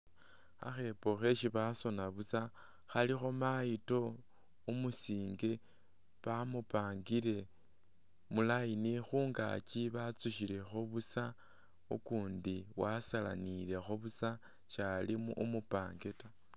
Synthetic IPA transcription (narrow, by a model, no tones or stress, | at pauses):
a̰xe̞po̞xe̞ʃiβaso̞naβusa | xalixo̞majito̞ | umusiːŋɡe̞ | βamupaːŋɡile̞ | mulajinixuːŋɡa̰ciβat͡suʃile̞xoβusa | ukuːndiwasala̰nile̞xoβusa | ʃalimuʔumupaːŋɡeta